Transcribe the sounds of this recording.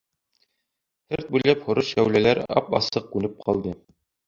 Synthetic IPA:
hɘɾt̪̚bʉjlæphŏɾɤʃæwlælæɾɑ̰pɑ̰sɤq̚kʉnɘp̚qʰɑlˠd̪ɤ

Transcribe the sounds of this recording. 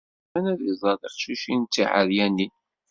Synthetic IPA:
ænæðizˤɑðˤəɾʃuʃint̪ːiʕa̰ðjænːi

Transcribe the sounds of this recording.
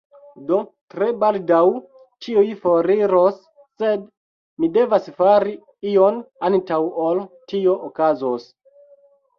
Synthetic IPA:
do̞tɾe̞baldaw | t͡ʃiujfoɾiɾosː | ed | mide̞vasfaɾi | io̞nantawoltio̞ʔokazos

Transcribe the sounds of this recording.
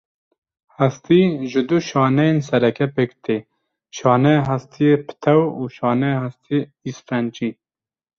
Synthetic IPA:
hæst̪iʒɪd̪uʃɑːnɛjensɛɾɛkʰɛpekt̪ʰe | ʃɑːnɛɦast̪ʰijepʰɨ̥t̪ʰɛwuːʃɑːnɛhast̪ʰijeisfɛnt͡ʃi

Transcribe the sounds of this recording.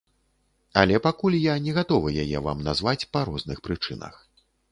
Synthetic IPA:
alʲɛpakulʲjanʲɛɣat̪ɔvɨjajɛ̰va̰mnazvat͡sʲpɐɾɔznɨxpɾɨt͡ʂɨnɐ̰x

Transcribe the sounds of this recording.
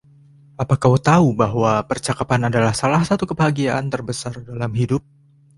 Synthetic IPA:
ʔapakawt̪aubaɦwapərt͡ʃakapanadalahsalahsat̪ukəbəɦaɡiaʔant̪ərbəsardalamɦidʊp̚

